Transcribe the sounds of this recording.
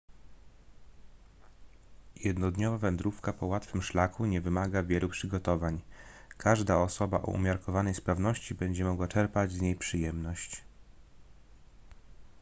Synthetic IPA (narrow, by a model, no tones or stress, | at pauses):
jɛd̪nɔd̪ɲɔvavɛnd̪ɾufkapɔwat̪fɘmʂlakuɲɛvɘmaɡavʲjɛlupʂɘɡɔt̪ɔvaɲ | kʰaʐd̪aɔsɔbaʔɔ̰ʔṵmʲjaɾkɔvanɛjspɾavn̪ɔɕt͡ɕibɛɲd͡ʑɛmɔɡwat͡ʂɛɾpad͡ʑzɲejpʂɘjɛmnɔɕt͡ɕ